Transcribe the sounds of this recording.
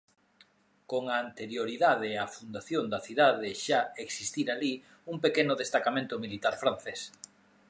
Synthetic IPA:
koŋaːnt̪eɾjoɾiðaðɪafund̪aθjond̪aθiðaðɪʃaeksist̪iɾali | uŋpekenʊðest̪akamẽnt̪ʊmilit̪aɾfɾan̟θes

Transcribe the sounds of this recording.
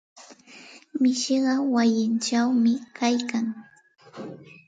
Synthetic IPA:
mɪʃɪɢɑwajɪnt͡ʃawmɪkajkaŋ

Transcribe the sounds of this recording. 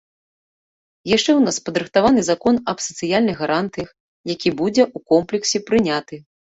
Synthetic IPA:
jaʂt͡ʂɛwnaspɐd̪ɾɨxt̪avanɨzakɔnɐpsɐt̪sɨjalʲnɨɣɣaɾant̪ɨjɐx | jakʲibud͡zʲɛʔukɔmplʲɛksʲɛpɾɨnʲat̪ɨ

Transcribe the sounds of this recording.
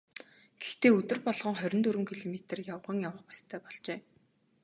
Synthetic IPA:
ɡ̥ext̪eːɵt̪ɵ̆rpɔɮʁɞ̆ŋχœɾʲɪ̆nt̪ɵɾɘ̆ŋkʰiɮɔmet̪ə̆rjawʁə̆ŋjawə̆χpḁst̪ʰœːpɔɮt͡ɕeː

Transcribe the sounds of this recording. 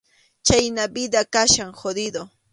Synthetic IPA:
t͡ʃajnabɪd̪akaʃaŋxod̪ɪd̪o

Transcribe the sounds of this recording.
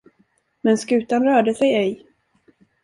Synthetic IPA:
mɛnskʉ̟ːt̪anɾœːɖəsɛjɛj

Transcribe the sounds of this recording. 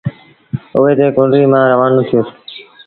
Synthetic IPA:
ʊʋeːt̪eːkõːɳɖɾiːmãːɾəʋaːnõːt̪ʰɪjoːs

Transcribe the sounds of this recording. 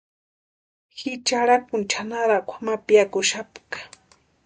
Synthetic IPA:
hɪt͡ʃaɾakʊnt͡ʃanaɾakʷʰamapjakʊʃapkḁ

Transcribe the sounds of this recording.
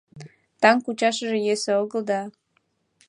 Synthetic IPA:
t̪ɑŋkut͡ɕɑʃəʒĕjeseoɣə̆ld̪ɑ

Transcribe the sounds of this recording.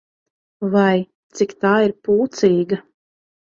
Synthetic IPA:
vaj | t̪sikt̪aːiɾpuːt̪siːɡɐ

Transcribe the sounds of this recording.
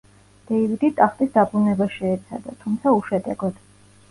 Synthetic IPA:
d̪̥ɛivid̪it̪ʼaχt̪ʼisd̪abɾunɛbaʃɛːt̪sʰa̰d̪a̰t̪ʰumt̪sʰauʃɛd̪ɛɡɔd̪̥

